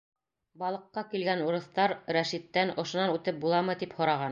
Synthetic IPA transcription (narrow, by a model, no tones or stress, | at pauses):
bɑlˠɤ̆qːɑkilɡænuɾɤ̆θt̪ɑɾɾæʃit̪ːænŏʃŏnɑnʉt̪ɘp̚bulˠɑmɤt̪iphŏɾɑʁɑn